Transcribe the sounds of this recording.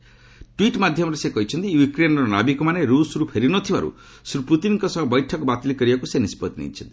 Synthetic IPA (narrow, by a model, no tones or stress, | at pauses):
ʈwiʈmad̪ʱjɔmɔɾesekɔɦit͡ʃʰɔnt̪ijukɾenɔɾɔna̰bikɔmaneɾusɾupʰeɾinɔt̪ʰiba̰ɾṵ | sɾuput̪inkɔsɔɦbɔjʈʰɔkɔbat̪ilikɔɾibakusenispɔt̪nḭit͡ʃʰɔnt̪i̥